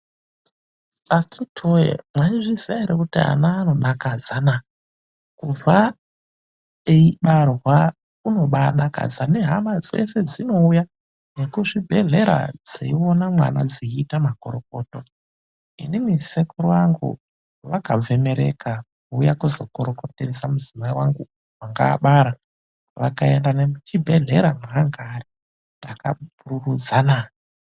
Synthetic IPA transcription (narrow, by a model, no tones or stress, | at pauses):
akʰitʰojḛmwaiʐisaiɾekutia̰naːno̞ɗakad͡zana | kuva | eiɓarwa | uno̞ɓaɗaka̰d͡zane̞ɦamad͡zḛse̞d͡zino̞uja | nekuʐibʱe̞ɮe̞ɾa̰d͡zeio̞namwa̰na̰d͡ziiːtamakoɾoko̞ːto̞ | ḭnimisekurojaŋɡṵ | ʋakavʱe̞me̞ɾe̞̰kak | uːjakuzo̞koɾo̞ko̞ted͡zamuzimaiwaŋɡu | waŋɡaːɓaɾa | ʋakae̞ndanemut͡ʃibʱe̞ɮe̞ɾamuɦaŋɡari | raka̰bʱururud͡zanaː